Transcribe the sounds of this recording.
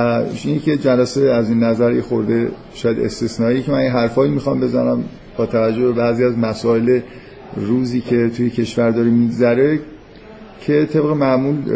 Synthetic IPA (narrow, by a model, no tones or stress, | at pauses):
iːnecʰe̞d͡ʒælæseæzinːæzæɾixo̞ɾd̪e̞ | ʃɒːjæd̪e̞̰st̪esnɒːijecʰemænjeɦæɾfɒːimixɒmbe̞zænæm | b̥ɒːt̪ʰævæd͡ʒːo̞hbe̞bæːziːæzmæsɒːe̞le | ruːziːcʰe̞t̪ʰujecʰe̞ʃvæɾd̪ɒːɾemiɡzæɾe̞ | cʰe̞t̪ʰe̞bɣe̞mæʔmuːl